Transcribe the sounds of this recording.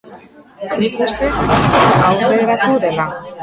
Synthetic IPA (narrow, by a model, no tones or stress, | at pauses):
nikust̪e̞askaawɣeɾat̪uðela